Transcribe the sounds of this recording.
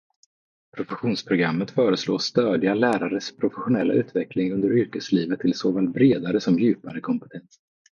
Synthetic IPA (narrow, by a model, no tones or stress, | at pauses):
pʰɾʊfɛɧuːnspʰɾʊɡɾamːət̪fœːɾəsloːst̪øːd̪ɪɡalæːɾaɾəʂpʰɾʊfɛɧʊnɛlːa̰ʔʉ̟ːt̪vɛklɪŋɵnd̪əɾʏɾkəsliːvət̪ʰːɪlsoːfaːlt̪̚bɾeːd̪aɾəsɔmjʉ̟ːpaɾəkʰɔmpɛ̥t̪ʰɛns